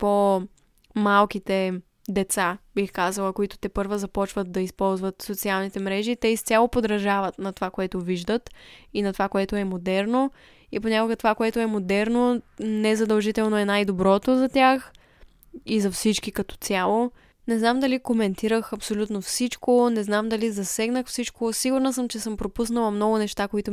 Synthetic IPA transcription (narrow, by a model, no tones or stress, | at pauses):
po | malˠkit̪ɛ | d̪ɛt̪sabixkazəlˠəkoit̪ʊ̥t̪ɛpɤɾvəzɐpɔt͡ʃvət̪̚d̪ɐispɔlˠzvət̪sot̪sialˠnit̪ɛmɾɛʒit̪ɛist̪sʲalˠopod̪ɾɐʒavət̪nɐt̪ovakoɛt̪ʊviʒd̪ət̪inɐt̪ovakoɛt̪oɛmod̪ɛɾno | ipoɲʲakʊɡɐt̪ovakoɛt̪ʊɛmod̪ɛɾnonɛzɐd̪ɐlˠʒit̪ɛlˠnoɛnajd̪obɾɔt̪ozɐt̪ʲjax | izɐfsit͡ʃkikɐt̪ɔ̥t̪sʲjalˠo | nɛznamd̪ɐlikomɛnt̪iɾəxɐpsolʲut̪nofsit͡ʃkonɛznamd̪ɐlizɐsɛɡnəxfsit͡ʃkosiɡʊɾnəsɤmt͡ʃɛsɤmpɾopus̬nəlˠɐmnɔɡʊnɛʃt̪akoit̪ʊ